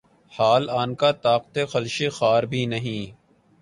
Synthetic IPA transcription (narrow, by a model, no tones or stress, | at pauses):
haːlaːnkat̪aːqt̪exɐlʃexaːɾbʱinɐɦĩː